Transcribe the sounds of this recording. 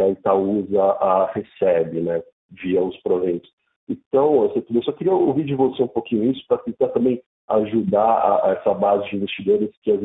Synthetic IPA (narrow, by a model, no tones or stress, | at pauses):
ait̪awuzɐʔahesɛbɪnɛ | viɐʊspɾovẽj̃t̪ʊ̥s | ẽt̪ɐ̃w̃oset̪ewsɔkɪɾiɐovid͡ʒɪvoseũpokĩɲʊisʊ̥pɾɐt̪ẽt̪aɾt̪ɐ̃mbẽj̃ | aʒud̪aa̰ɛsɐbazɪd͡ʒĩvest͡ʃid̪oɾɪskɪɐz